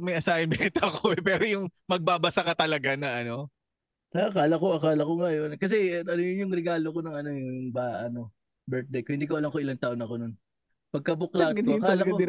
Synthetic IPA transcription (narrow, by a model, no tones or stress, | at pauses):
mɐjʔɐsaːɪmɛt̪oɐkʰoʔɛpɛːɾojʊŋmɐɡ̚babɐsakɐt̪ɐlɐɡanɐʔɐno̞ | ɐɐkaːlɐko̞ʔɐkaːlɐko̞ŋɐjo̞nkɐs̬ɛɐnojʊjʊŋɾɛɡaːlo̞ko̞nɐŋɐno̞jʊŋbaʔɐno̞ | bɛɹt̪̚d̪ɐjkʊhɪnd̪iːkɐwɐlɐŋkoʔɪlant̪aːʔonɐko̞non | pɐɡ̚kɐbʊklakaːlɐ